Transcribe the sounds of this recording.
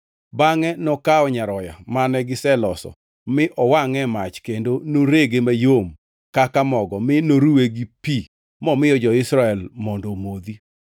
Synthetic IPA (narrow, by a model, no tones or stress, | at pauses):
baŋɛnɔkaɔɲaɾɔjamanɛɡɪsɛlɔsɔ̰ | mɪʔɔwaŋɛmat͡ʃkendonoɾeɡemajom | kakamɔɡɔmɪnoɾuweɡipi | mɔmɪjɔd͡ʒɔɪsɾaɛlmɔndomod̪i